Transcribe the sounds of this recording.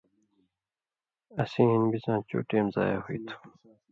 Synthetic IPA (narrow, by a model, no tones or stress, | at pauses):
ɐsĩːɦinbizãːt͡ɕo̰ːʈeːmza̰ːja̰huit̪ʰu̥